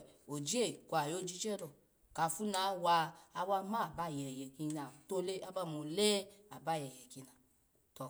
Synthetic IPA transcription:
o˨d͡ʒi˦e˦˨kʷa˨jo˦˨d͡ʒi˧˦t͡ʃɛ˦ɾɔ˨ | ka˧˨fu˦na˨˦wa˧a˦wa˦mã˦˨ba˧˦˨jɛ˨jɛ˨ki˧na˨to˦le˦a˦ba˦˨mo˧lɛ˦a˨ba˦˨jɛ˨jɛ˨ki˧na˨ | tɔ˧˨

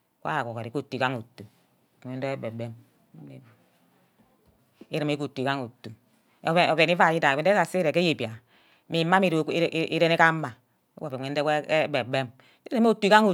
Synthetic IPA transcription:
kʷa̰˦˨ko˨ke˨ɾi˨ku˦tːi˨ka˦ŋo˨tːu˨ | ŋʷe˨˦n˦e˦e˦be˨be˦m˦ | e˨b | e˦ɾi˨me˦ku˨tːu˨i˨ka˦ŋu˨tːu˨ | be˨ni˦va˦˨ji˦da˨e˨n˦e˦a˨se˦ɾe˨e˦je˨pi˨a˨ | mi˨mːa˦i˨ɾʔi˦ɾe˦ne˦ka˦a˨ | ḛ˦wo˨e˨e˦n˦e˦ke˦be˨be˦m˦ | ɾe˦mo˦˨tːu˨i˦ka˦ŋu˨

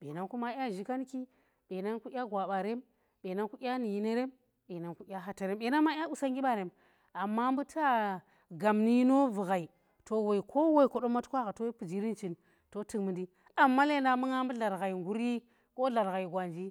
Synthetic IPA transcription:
ɓḛ˨na˦nku˦ma˦ʔʲa˦ʒi˦ka˦n˦ki˦ | ɓe˨na˦nku˦ʔʲa˦ɡʷa˨ɓa˨ɾe˦m | ɓe˨na˦nku˦ʔʲa˦ni˨ji˦ne˦ɾe˦m | ɓe˨na˨nku˦ʔʲa˦ɦa˨ta˨ɾe˦mɓe˨na˦nma˦a˦u˦˨sa˦ŋɡʲi˦ɓa˦˨ɾe˨m | a˨mːa˦mbu˦tʰa˦ | ɡa˨mni˦no˦vu˨ɣa˨i˨ | to˨we˨i˨kʰo˦wo˦i˨ko˨ɗo˦ma˦tkʷa˦ɣa˨to˦pu˨d͡ʒi˦ɾi˦nt͡ʃi˨n | to˦ti˦kmɨ˨ndi˦ | a˨mːa˦le˦˨na˨mu˦ŋa˦mbu˦ɮa˨ɾɣa˨i˨ŋɡu˦ɾi˦ | ko˦ɮa˨ɾɣa˨i˨ɡʷa˨nd͡ʒi˦

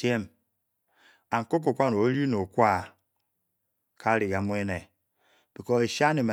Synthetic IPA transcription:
e˦m | a˨ŋ̩˨ko˦k̬o˨kʷa˦no˨˦ɾi˦no˨kʷa˦˨ | kʰa˦ɾi˨ɡa˨mʷ˦e˦ne˨ | b̥i˨kɔ˦e˨ʃa˦ni˨ma˨

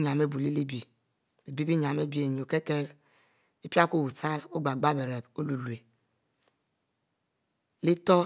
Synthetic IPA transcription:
ɲa˨me˦bu˨li˦li˦bi˨ | li˨bi˦bi˦ɲ˨a˨me˦bi˨e˨ɲ˨o˨ke˦ke˦l | i˦pi˦a˦ko˦˨wu˨sa˦lo˦ɡ͡ba˨ɡ͡ba˦be˨ɾe˨bo˦lu˨lwe˨ | li˦tɔ˦

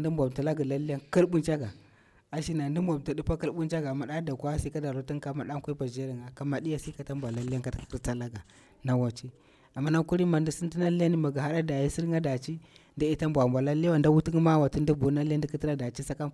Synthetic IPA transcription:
ndi˦mbʷa˨bta˨la˦ɡa˨la˦li˦ja˦ŋka˦lbu˦nt͡ʃa˦ɡa˨ | a˨ʃi˦na˨ndi˦mbʷa˨bta˨du˦pa˦ki˦lɓu˦nt͡ʃa˦ɡa˨ma˨ɗa˦da˨kʷa˦si˦ka˦da˨ɾu˦ti˦ŋ˦ka˦ma˨ɗa˦ŋ˦kʷu˦i˦pa˨d͡ʒe˦ɾi˨ŋɡa˨ka˨ma˨ɗi˦ja˦si˦ka˦ta˦mbʷa˨la˦li˦ja˦ŋka˦ta˨˦kki˦sta˦la˦ɡa˨ | na˨wa˨t͡ʃi˦ | a˨mːa˦na˦ku˦ɾi˦ma˨ndi˦si˦ti˦na˦li˦ja˦ni˦ma˨ɡa˨a˦ɗa˦da˨ji˦si˦ɾŋɡa˦da˨t͡ʃi˦nda˦i˦ta˦mbʷa˨mbʷa˨la˦lwa˨nda˦wu˦ti˦ŋ˦ma˦wa˨ti˦ndi˦bu˨˦na˦li˦a˦ndi˦ki˦ti˦la˦da˨t͡ʃi˦sa˦ka˦m

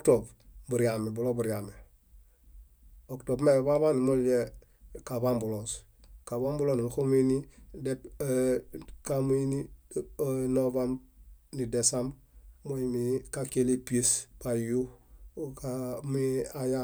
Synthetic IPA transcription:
otobbu˨ɾiame˨bu˨lo˦bu˨ɾijame˨ | okto˨bme˦˨ba˦βa˦ni˨mu˦ld͡ʒe˦ | ka˨ba˦mbu˨los | ka˨βa˦mbu˦lo˦i˨n˨xo˦mi˦ni˦de˦p | kam˦i˦ni˦ | nova˦mni˨de˨sam | mo˦jimika˦ke˦le˦pi˦e˦spa˨ju˦kamiaja˦

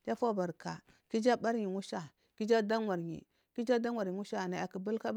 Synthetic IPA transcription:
d͡ʒa˦fo˦ba˨ɾka̰˨ | ki˦d͡ʒa˦ba˦ɾɲi˨ŋu˦ʃa˨ | ki˦d͡ʒa˦da˦ŋwa˨ɾɲḭ˨ | ki˦d͡ʒa˦da˦ŋʷa˨ɾi˨wu˦ʃa˦˨na˨a˨ki˨bu˦lka˦b

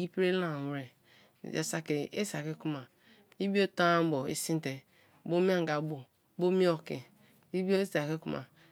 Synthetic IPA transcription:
i˦pɾe˦la˦˨wɾe˨ | ḛ˨sa˨ke˨ḛ˦sa˨ke˦ku˦ma˨ | i˦bi˦o˦ta˦bo˨ḛ˨si˦n˦te˨ | bo˦mi˦a˦ŋ˨ɡa˨bo˨ | bo˦mi˦o˨ke˨ | i˦bo˦sa˨ke˦ku˦ma̰˨

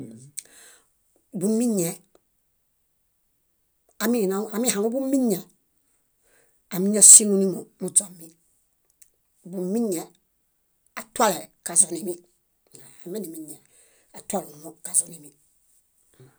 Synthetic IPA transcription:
bu˨˦mĩ˦ɲɛ˨ | a˨mi˦˨na˨˦a˨mi˦ha˨o˦bu˦mĩ˦ɲɛ˨ | a˨mi˦ɲ˦a˦si˦nu˦nĩ˦mo˨mu˦d͡zɔ˨mi˦˨ | bu˨˦mĩ˦ɲɛ˨ | a˨ta˦lɛ˨ka˨zɔ˨ne˨mi˦˨ | a˨me˦ni˨mĩ˦ɲɛ˨ | a˨twa˦lu˨nu˨mo˦ka˨zɔ˨ne˨mi˦

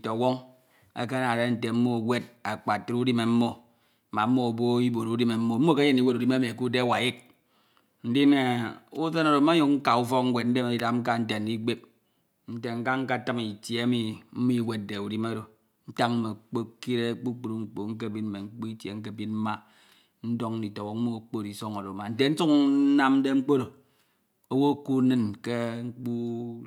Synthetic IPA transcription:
to˨wo˦ŋ | ḛ˦ke˦na˨ɾe˦n̩˨te˨m̩˦mo˦˨we˦d̚a˨k͡pa˨tu˦ɾu˦di˦me˨m̩˦mo˦˨ | ma˨m̩˦mo˦˨bo˦i˦bo˨ɾu˨˦di˦me˨m̩˦mo˦m̩˦mo˦ke˦je˦ni˦we˦tu˨di˦me˦mi˨e˨ku˦de˦˨wa˨je˦k̚ | n̩˦di˦ne˨u˦se˦no˨ɾo˨˦ma˦u˨kŋ̩˦ka˨u˦fɔ˦kŋ̩˦we˨t̚n̩˦de˦me˨i˨da˨ŋ̩˦ka˦n̩˦te˨n̩˨˦di˦k͡pe˦p̚ | n̩˦te˨ŋ̩˦ka˦ŋ̩˦ka˦˨ta˦mi˨tje˨˦a˦mi˨m̩˦mi˦˨we˨t̚de˨u˨di˦ma˦ɾo˨ | n̩˦ta˦ŋ̩˦me˨k͡po˦ki˦ɾe˦k͡pu˦k͡pu˨ɾu˦ŋ͡m̩˨k͡po˨ŋ̩˦k̬e˦bi˦n˨e˨ŋ̩˦k͡pu˦i˦tje˨ŋ̩˦k̬e˦bi˦nm̩˦ma˦ | n̩˦do˦ŋ˦i˨to˨ɣo˨˦mu˦˨k͡po˦˨ɾi˨so˦ŋo˨ɾo˨ma˨n̩˦te˨n̩˦su˦k̩˦na˦mn̩˦de˦ŋ͡m̩˦k͡po˦ɾo˨ | o˦wo˦˨ku˦nɨ˦nke˦ŋ͡m̩˦k͡pu˦

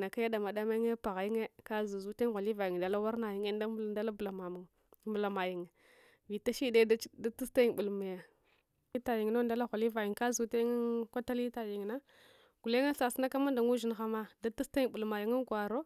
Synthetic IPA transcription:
na˨ka˦ja˦da˨ma˨da˦ma˦ŋe˦pa˨ɣa˨ji˦ŋe˦ka˦zu˨zu˦te˦ŋɣa˨li˦va˨ji˨ŋ˨da˨la˦wa˦ɾna˨ji˦ŋe˦nda˦˨da˦la˦bla˨a˨u˨ŋ | bla˨ma˨ji˨ŋ˨ | vi˨ta˦ʃi˦de˦da˦tu˦sta˦i˦˨ɓu˨lma˨ja˨ | i˦ta˨ji˨ŋ˨no˦nda˦la˦ɣʷa˨li˦va˨ji˨ŋka˦zu˨te˦ŋa˦kʷa˦ta˦li˦ta˨ji˨ŋ˨na˦ | ɡ̥u˨le˦ŋa˦sa˨si˦na˦ka˦ma˦nda˨ŋu˦ʒi˨n˨xa˨ma˦da˦tu˦sta˦ɓu˨lma˨ji˨ŋa˦ɡʷa˨ɾo˦

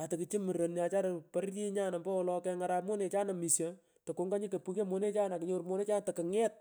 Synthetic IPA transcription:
a˨tɪ˨ki˨t͡ʃi˦mi˨ɾo˨nja˨t͡ʃa˦ɾo˨pa˦ɾji˦ɲa˦na˨mbɔ˦wɔ˦lɔkɛ˦ŋa˦ɾa˦pmo˦ne˨t͡ʃa˦na˨mi˨sja | to˨ko˨˦ŋɡa˦ɲi˦ke˨pu˦ke˦mo˦ne˦t͡ʃaː˦na˨ki˨ɲo˦ɾmo˦ne˦t͡ʃaː˦n˨tɐ˨kɪ˨ŋɛ˦t̚

